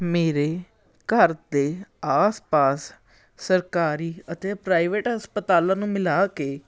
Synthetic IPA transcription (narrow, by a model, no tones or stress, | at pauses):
meːɾeː | kəɾd̪eːaːspaːs | səɾkaːɾiːət̪eːpɾaːiʋeːʈɦəspət̪aːlãːnũːmɪlaːkeː